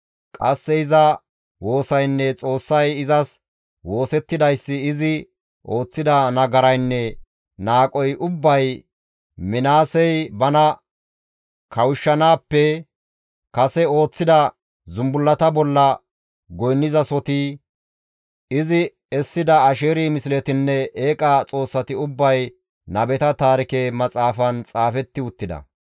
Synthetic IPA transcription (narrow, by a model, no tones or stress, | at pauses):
kʼɐsːɛɪzɐ | wo̞ːsɐjnːɛt͡sʼo̞ːsːɐjɪzɐs | wo̞ːsɛt̪ːɪd̪ɐjsːɪːzɪ | ʔo̞ːt͡sːɪd̪ɐnɐɡɐɾɐjnːɛ | naːkʼɔjʔʊbːɐj | mɪnaːsɛjbɐnɐ | kʰɐwʊʃːɐnaːpːɛ | kɐsɛo̞ːt͡sːɪd̪ɐ | zʊmbʊlːɐt̪ɐbɔlːɐ | ɡɔjnːɪzɐsɔt̪ɪ | ɪzɪ | ɛsːɪd̪ɐːʃeːɾimɪsɪlɛt̪ɪnːɛeːkʼɐt͡sʼo̞ːsːɐt̪ɪʊbːɐj | nɐbɛt̪ɐt̪aːɾɪkemɐt͡sʼaːfɐnt͡sʼaːfɛt̪ːɪʊt̪ːɪd̪ɐ̰